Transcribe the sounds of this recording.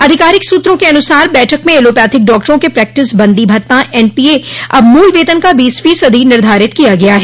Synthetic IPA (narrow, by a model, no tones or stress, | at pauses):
ɐd̪ʱɪkaːɾɪksuːt̪ɾõkeɐnʊsaːɾbɛːʈʰəkmẽeːloːpjaːt̪ʰɪk̚ɖɔːk̚ʈəɾõkepɾɛːk̚ʈɪsbɐ̃nd̪ibʱɐt̪ːãʔɛːnpiːeɐbmuːlʋeːt̪ənkabiːsfiːsəd̪ʱinɪɾd̪ʱaːɾɪt̪kijaɡɐjaɦɛː